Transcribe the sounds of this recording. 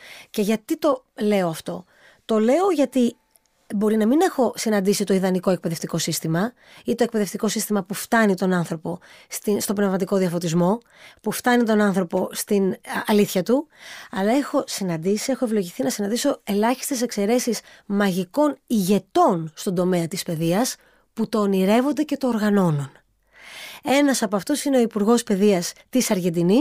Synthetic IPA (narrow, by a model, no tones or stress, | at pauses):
ce̞ʝɐt̪it̪o̞ | le̞o̞ɐft̪o̞ | t̪o̞le̞o̞ʝɐt̪i | bo̞ɾinɐmine̞xo̞sinɐnd̪isit̪o̞iðɐniko̞e̞k̚pe̞ðe̞ft̪iko̞sist̪imɐ | it̪o̞e̞k̚peðe̞ft̪iko̞sist̪imɐpuft̪ɐnit̪o̞nɐnθɾo̞po̞st̪inst̪o̞bnevmɐt̪iko̞ðiɐfo̞t̪izmo̞ | puft̪ɐnit̪o̞nɐnθɾo̞po̞st̪inɐliθçɐt̪uɐlɐe̞xo̞sinɐnd̪isie̞xo̞e̞vlo̞ʝiθinɐsinɐnd̪iso̞e̞lɐçi̥st̪ese̞kse̞ɾe̞sis | mɐʝiko̞niʝe̞t̪o̞nst̪o̞nd̪o̞me̞ɐt̪ispe̞ðiɐs | put̪o̞niɾe̞vo̞nd̪e̞ce̞t̪o̞ːɾɣɐno̞no̞n | e̞nɐsɐpoɐft̪o̞sine̞o̞ipuɾɣo̞spe̞ðiɐst̪isɐɾʝe̞nd̪ini